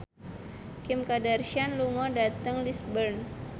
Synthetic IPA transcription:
kimkadarʃianluŋɔdat̪əŋlisbərn

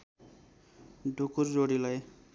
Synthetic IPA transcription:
dukuɾzoɽilaj

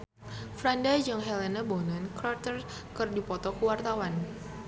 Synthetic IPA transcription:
fɾandad͡ʒaŋɦɛlenabɔnankɾart̪ərkɨrdipɔt̪ɔkəwart̪awan

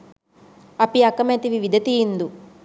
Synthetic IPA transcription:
ɐpiɐkɐmet̪iʋiʋid̪ʱɐt̪iind̪u

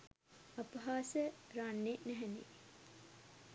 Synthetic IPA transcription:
apəɦaːsəɾanːenɛɦɛnḛ

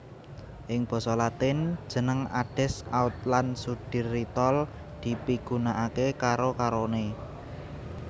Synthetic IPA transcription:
ʔɪŋb̥ɔ̤sɔlat̪ɪn̥ʒ̥ə̤nəŋaɖ̥ɛ̤saʊt̪̚lansud̥i̤rːit̪ɔl | d̪̥i̤piɡ̥ṳnaʔakekaɾokaɾone

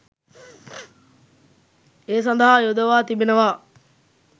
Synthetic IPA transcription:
eːs̬ɐnd̪əɦajod̪əʋaːt̪ibenəʋaː

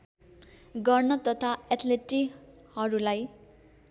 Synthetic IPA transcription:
ɡʌrnʌt̪ʌt̪ʰaet̪ʰleʈi | hʌɾulaj

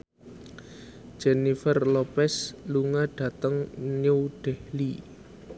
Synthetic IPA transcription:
d͡ʒ̥enifərlopɛsluŋaɖ̥ä̤t̪əŋɲəwɖ̥ɛhli

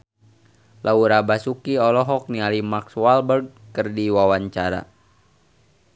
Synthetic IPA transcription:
lauɾabasukiɔlɔɦɔk̚nialimakswalbərɡ̚kərdiwawaɲt͡ʃaɾa̰

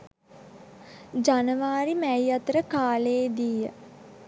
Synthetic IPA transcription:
d͡ʒanəʋaːɾimæjat̪əɾəkaːleːd̪iːə̰

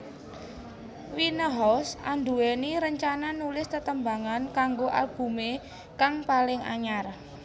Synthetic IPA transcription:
winəɦɔsʔand̪ueniɾəɲt͡ʃananulɪst̪ət̪əmbaŋankaŋɡoʔa̰lb̥ṳme | kaŋpalɪŋa̰ɲar

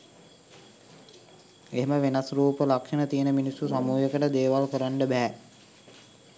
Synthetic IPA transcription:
eɦeməʋenasruːpəlakʂənət̪ijənəminisːusamuːjekəʈəd̪eːʋalkəɾaɳɖəbɛɦæ

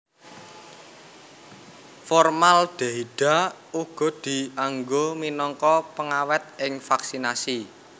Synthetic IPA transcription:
fɔrmalɖ̥a̤iɖ̥a̤ | uɡ̥ɔ̤d̪̥i̤aŋɡominɔŋkɔpəŋawɛt̪̚ɪŋfaksinasi

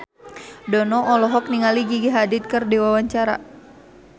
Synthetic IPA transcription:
dɔnɔʔːlɔɦɔk̚niŋaliɡiɡiɦadit̪̚kɨrdiwawaɲt͡ʃaɾa̰

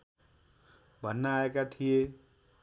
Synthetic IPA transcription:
bʱʌnːaaekat̪ʰije

